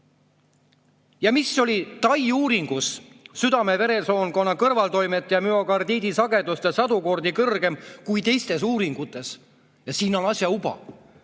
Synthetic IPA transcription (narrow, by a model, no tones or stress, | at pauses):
jɑmisːo̞lʲit̪ɑjuːɾiŋɡ̥usː | yd̪ɑme̞ve̞ɾe̞so̞ːnko̞nːɑkɤrvɑlt̪o̞jmet̪ːˑejɑmyo̞kɑrd̪iːd̪isɑɡe̞d̪̥ust̪esɑd̪̥uko̞rd̪ikɤrɡ̥e̞mkujt̪e̞jst̪e̞s̬uːɾiŋɡ̥ut̪ːˑe̞s | jɑsiːno̞nɑsʲjɑubɑ̰